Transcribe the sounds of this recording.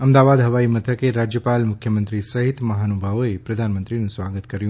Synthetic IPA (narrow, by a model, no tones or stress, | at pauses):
əmd̪aʋad̪ɦəʋaimət̪ʰəkeɾad͡ʒjəpalmʊkʰjəmə̃nt̪ɾisəɦit̪məɦanubʱaʋoepɾəd̪ʱanmənt̪ɾinũsʋaɡət̪kəɾjũ